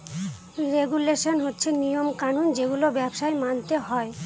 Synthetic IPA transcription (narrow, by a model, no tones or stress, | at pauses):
ɾeɡuleʃonɦotːɕʰenijomkanund͡ʑeɡulobɛbʃaemant̪eɦɔe